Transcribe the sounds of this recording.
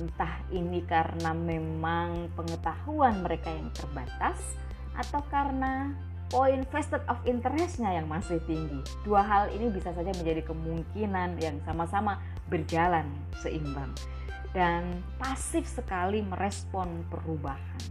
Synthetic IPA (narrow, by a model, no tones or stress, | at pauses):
nt̪ahinikaɾənamemaŋpəŋət̪ahuanməɾekajaŋt̪ərbat̪as | ʔa̰t̪awkaɾəna | poinfɛst̪ət̪̚ɔfint̪əɾɛsɲajaŋmasɪht̪iŋɡi | d̥uaɦalḭnibisasad͡ʒaməɲd͡ʒadikəmuŋkinanjaŋsamasama | bərd͡ʒalan | səʔimbaŋ | dan | pasɪfsəkaliməɾʔɛspɔnpəɾubahan